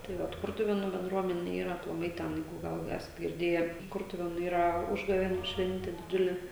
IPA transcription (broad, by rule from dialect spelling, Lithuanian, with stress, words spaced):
tɐɪ ˈʋɐt ˈkʊrtʊʋʲeːnuː bʲɛnˈdruɔmʲɛnʲɛ ˈiːrɐ ɐplˠɐˈmɐɪ ˈtʲæːnɐɪ ˈɡɐlˠ ˈæːsɐt ɡʲɪrʲˈdʲeːjɛ ˈkʊrtʊʋʲeːnʊ ˈiːrɐ ˈʊʒɡɐʋʲeːnʲuː ˈʃʲʋʲɛnʲtʲɛ dʲɪˈd͡ʒʲʊlʲɛ